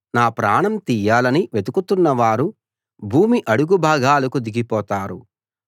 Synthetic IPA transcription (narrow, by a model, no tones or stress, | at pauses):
naːpɾaːɳɐmt̪iːjaːlɐniʋed̪ukut̪unːɐʋaːɾu | bʱuːmiʔɐɽuɡubʱaːɡaːlɐkud̪iɡipɔːt̪aːɾṵ